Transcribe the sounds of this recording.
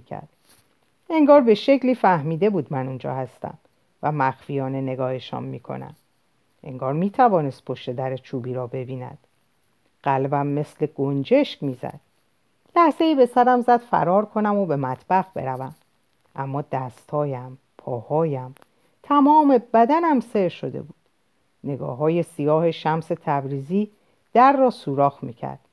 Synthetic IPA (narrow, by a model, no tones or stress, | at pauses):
kʰæ̰ɾd̪̥ | e̞ŋɡɒːɾbe̞ʃe̞cʰliːfæhmiːd̪e̞buːd̪mænund͡ʒɒ̰ːhæst̪æ̰m | væmæxfijɒːne̞ne̞ɡɒːheʃɒ̰ːmːiːkʰo̞̰næ̰m | ʔeŋɡɒːɾmiːt̪ʰævɒːne̞st̪̚pʰo̞ʃt̪e̞d̪æɾet͡ʃʰuːbiːɾɒːbe̞biːnæ̰d̪̥ | ɢ̥ælbæmːe̞sle̞ɡ̥ond͡ʒe̞ʃcmiːzæ̰d̪̥̚ | læhze̞iːbe̞sæɾæmzæd̪̥fæ̰ɾɒːɾkʰo̞næmobe̞mæt̪ʰb̥æɣbe̞̰ɾævæm | ʔæmːɒːd̪æst̪hɒːjæm | pʰɒːhɒːjæm | t̪ʰæmɒːme̞bæd̪ænæmse̞ɾʃo̞d̪ḛbuːd̪̥ | ne̞ɡɒ̰ːɦɒːje̞sijɒːhe̞ʃæmse̞t̪ʰæbɾiːziː | d̪̥æɾːɒːsuːɾɒːxmiːcʰæ̰ɾd̪̥